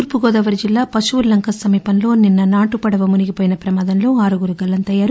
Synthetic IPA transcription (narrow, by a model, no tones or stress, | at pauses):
uːɾpuɡoːd̪ɐʋɐɾd͡ʒilːaːpɐʃuʋuɾlɐŋkʰɐsɐmiːpɐnlo̞ːninːɐnaːʈupɐɽɐʋɐmuniɡipoːjinɐpɾɐmaːd̪ɐnlo̞ːaːɾuɡuɾuɡɐlːɐnt̪ɐjːaːɾu